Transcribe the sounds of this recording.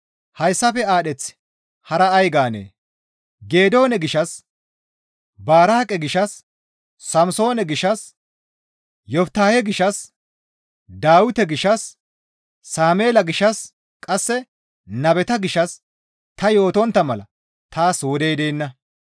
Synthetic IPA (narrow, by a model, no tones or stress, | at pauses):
hɐjsːɐfɛaːɗɛt͡sːɪ̥ | hɐɾɐɐjɡaːnḛː | ɡe̞ːd̪o̞ːnɛɡɪʃːɐs | baːɾaːkʼɛɡɪʃːɐsː | ɐmso̞ːnɛɡɪʃːɐs | jɔft̪aːhɛɡɪʃːɐs | d̪aːwʊt̪ɛɡɪʃːɐsː | aːmeːlɐɡɪʃːɐs | kʼɐsːɛ | nɐbɛt̪ɐɡɪʃːɐs | t̪ɐjo̞ːt̪ɔnt̪ːɐmɐlɐ | t̪aːsoːd̪eːd̪eːnːɐ